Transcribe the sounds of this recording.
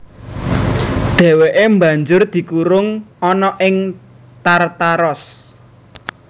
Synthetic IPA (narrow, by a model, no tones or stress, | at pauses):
d̪̥e̤weʔemba̤ɲd͡ʒʊrd̪̥i̤kuɾʊŋɔnɔʔɪŋ | t̪art̪aɾɔs